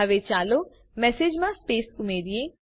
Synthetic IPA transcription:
aʋet͡ʃaːlo | mɛːseːd͡ʒmãspeːskʊmeːdiẽ

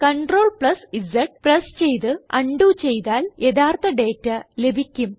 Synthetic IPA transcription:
kɐɳʈro̞ːɭpɭɐsizɐʈ̚prɐst͡ɕe̞jt̪ɨɐɳɖuːt͡ɕejt̪aːljed̪aːrt̪ɐɖe̞ːtːɐle̞bʱikʲːum

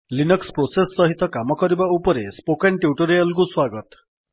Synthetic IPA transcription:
linɔkspɾosesːɔɦit̪ɔkamɔkɔɾibaupɔɾespokenʈjuʈuɾejɔlk̬uswaɡɔt̪

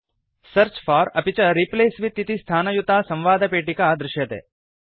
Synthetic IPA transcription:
sɐɾt͡ʃfɔːɾɐ̰pit͡ʃɐɾipleːsʋit̪ːit̪ist̪ʰaːnɐjut̪aːsɐ̃mʋaːd̪ʱɐpeːʈikaːd̪ɾɪʃjɐt̪ḛː

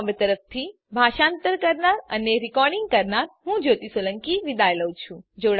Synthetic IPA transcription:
bt̪əɾəft̪ʰi | bʱaʃant̪əɾkəɾnaɾəneɾikɔɾɖɪŋɡ̚kəɾnaɾɦũd͡ʒot̪isələŋkiʋid̪ajləwt͡ʃʰũd͡ʒoɽ

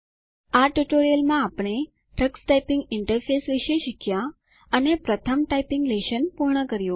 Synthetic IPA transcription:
aʈuʈoɾijəlmãapɳ̃e | ʈɾəksʈajpɪŋɡɪɳʈəɾfʰesʋiʃeʃɪkʰja | ənepɾət̪ʰəmʈajpɪŋɡleʃənpuɾɳəkəɾjũ

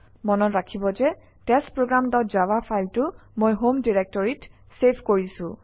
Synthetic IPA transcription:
mɔnɔtɹakʰibɔzɛ | tɛstpɹoɡɹamdɔtzawapʰajltʊmojɦomdiɹɛk̚tɔɹit | sepʰkoɹisʊ̃

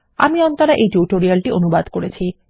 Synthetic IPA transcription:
a̰miɔnt̪oɾaʔejʈuʈoɾialʈiʔonubad̪koɾet͡ɕʰi

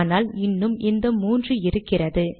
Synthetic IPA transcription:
naːlɪnːɯmɪnd̪ɐmuːndrɯɪɾɯkːɪrɐðɯ

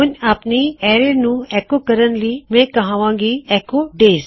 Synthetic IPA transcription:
ʊnapniɛːɾenũɛːkokəɾənlimẽːkɐɦãːʋãːŋɡiɛːkoɖeːz

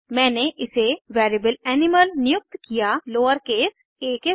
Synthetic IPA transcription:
mɛ̃ːneʔɪseʋɛːɾibəlɛːnɪməlnɪjʊk̚t̪kijaloːəɾkeːs | eːke

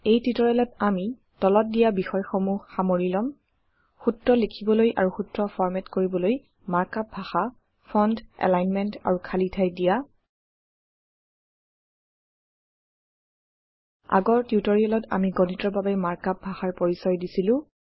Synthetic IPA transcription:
ejtɹitɔɹɛlɔtami | tɔlɔt̚dijabixɔjxɔmuhːamoɹilɔm | xutːɹɔlekʰibɔlojʔa̰ɹuxutɹɔfʰɔɹmɛtkoɹibɔloj | maɹkap̚bʱaxa | pʰɔndɛ̰lajnmɛnta̰ɹukʰalitʰajdija | a̰ɡɔɹtjutɔɹiɔlɔta̰miɡɔnitɔɹbabɛmaɹkap̚bʱaxaɹpoɹisɔjdisilʊ̃

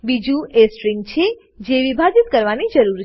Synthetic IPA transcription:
bid͡ʒũʔesʈɾiŋɡ̚t͡ʃʰe | d͡ʒeʋibʱad͡ʒit̪kəɾʋanid͡ʒəɾuɾ

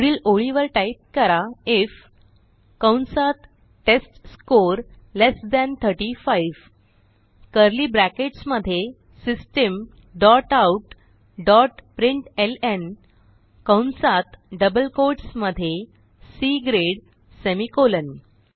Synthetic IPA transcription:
ɽiːloɭiʋəɾʈaip̚kəɾaef | kawɳsat̪ | ʈesʈskoɾ | lesd̪ɛ̃nt̪ʰəɾʈifaiʋ | kəɾliːbɾækeʈsməd̪ʱːje | sisʈəm | ɖɔʈauʈ | ɖɔʈpɾiɳʈelen | kə̃wnsat̪ɖəbəlkoɾʈsməd̪ʱːje | siɡɾeɽ | semikolən

